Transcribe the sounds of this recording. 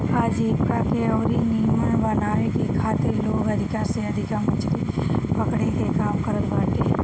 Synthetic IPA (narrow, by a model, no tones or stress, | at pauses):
aːd͡ʒiːpkakeɔːɾinijmə̃bɐnaːekikʰaːt̪eloːɡɐd̪ʱɪkaːɾseɐd̪ʱɪkamʊt͡ʃɾi | pɐkɽ̤ekekaːmkɐɾət̪baːʈ̪e